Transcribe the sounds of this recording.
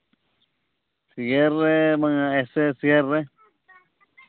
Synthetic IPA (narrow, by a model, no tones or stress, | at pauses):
sjeremãŋãesesjere